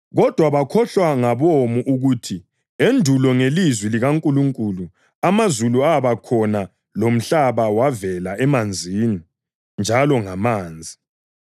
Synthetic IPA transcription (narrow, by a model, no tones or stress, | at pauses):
ɣɔd̥ʱwaβakʰɔɬwaŋaβomuʔuɣutʰi | endʱulɔŋelizwiliɣaŋkʼuluŋkʼuːlu | amazuluaβakʰɔna | lom̩ɬaβawavɛlaɛmand͡zʱini | nd͡ʒʱalɔŋamaːnd͡zʱi